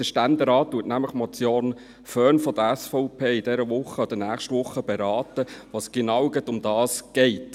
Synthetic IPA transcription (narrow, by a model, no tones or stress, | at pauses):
d̥əʃtænd̪eɾɑːt̚tːuətnæmləχmɔt͡sjoːn | fœːnfɔd̪əɾæsfɔʊpʰeːid̥ɛɾəʋʊχəɔd̥̪ənæːχʃtʋʊχːəb̥ɛɾɑːtəʋɑːsɡ̥enɑwɡətʊmd̥̪ɑːsɡ̥ɛɪt